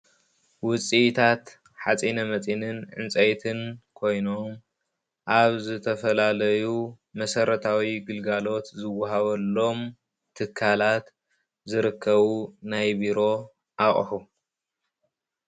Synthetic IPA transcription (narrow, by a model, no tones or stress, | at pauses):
wʊt͡sʼit̪ʰat̪ | ħat͡sʼinɐmɐt͡sʼinɨnʕɨ̰nt͡sʼɐjt̪ʰɨnkʰo̞jno̞m | ʔaβzɨt̪ʰɐfɐlalɐju | mɐsɐɾɐt̪ʰawiɡɨlɡalo̞t̪zɨwːaɦaβɐlːo̞m | t̪ʰɨkʰːalat̪ | zɨɾɨkʰːɐβunajbiɾo̞ | ʔaχʼħu